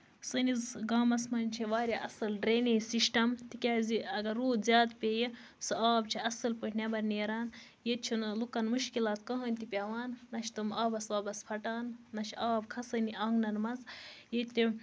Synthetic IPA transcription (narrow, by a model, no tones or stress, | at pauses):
sɨnizɡaːmɐsmɐnʲt͡ʃʰeʋaːɾʲjaʔɐsɨlɖɾeːnisiʃʈɐmt̪ikʲaːziɐɡɐɾuːd̪zʲjaːd̪pʲeji | sɨaːbt͡ʃʰiɐsɐlpəʈʰʲnʲebɐɾneːɾaːn | jet̪̚t͡ʃʰunɐlukɐnmuʃkilaːt̪kɐɦɐnʲt̪ipʲaʋaːnːɐʃʰt̪ɨmaːbɐsʋaːbɐspʰɐʈaːnːɐt͡ʃʰaːbkʰɐsɨniʔɐŋɡnɐnmɐzjet̪t̪i